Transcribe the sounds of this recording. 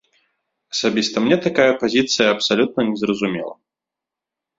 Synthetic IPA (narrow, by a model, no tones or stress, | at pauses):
ɐsabʲist̪ɐmnʲɛt̪akajɐpazʲit̪sɨjɐɐpsalʲut̪̚nɐnʲɛzrɐzumʲɛ̰lˠɐ̰